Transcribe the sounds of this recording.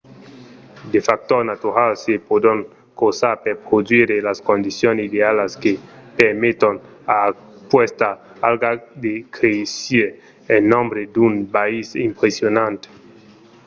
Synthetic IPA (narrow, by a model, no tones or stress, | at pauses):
d̪efak̚t̪oɾnat̪uɾalsepod̪oŋ | kosaɾpeɾpɾod̪wiɾelaskond̪isjonsid̪ealaskepeɾmet̪on | a | pwest̪a | alɡad̪ekɾesiɾ | enːõmbɾed̪unpaisimpɾesjonãnt̪e̥